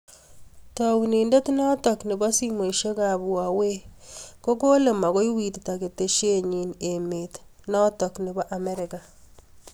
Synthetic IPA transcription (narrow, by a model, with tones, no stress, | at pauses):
tɔ˨wu˨ni˨nde˦tnɔ˦tɔ˨knɪ˨bɔ˦si˦mo˨ʃe˦ka˨bu˨wa˨we˦ko˦ko˦le˨ma˨ɣo˦jwi˨tta˨ke˨te˨ʃe˦ɲi˨nemetnɔ˦tɔ˨kni˨bɔ˦ʔa˨me˦ɾɪ˨ka˨